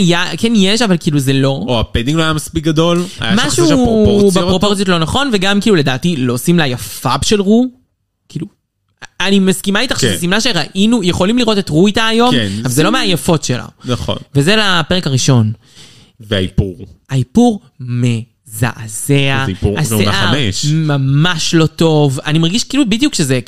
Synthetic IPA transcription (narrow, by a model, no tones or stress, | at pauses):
jakenjeʃavalkiːluzelo̞oaped̪iŋɡloajamaspik̚ɡad̪o̞la̰jaamaʃubeʁopoʁt͡sjot̪̬lo̞naχo̞nveɡamkiːlule̞d̪aːt̪ilo̞simlajafabʃe̞lʁu | kiːlu | animaskimait̪aχʃesimnaʃeʁaʔinujeχo̞limliʁo̞t̪e̞tʁuit̪aːjo̞meavalzelo̞meajefo̞tʃela̰nɐχo̰nvezelape̞ekaʁiʃo̞n | veaipuʁaipuʁ | me̞ | za̰ʔazeaaseʔaʁeʃmamaʃlo̞t̪o̞vanimaʁɡiʃkiːlubid̪ijukʃeze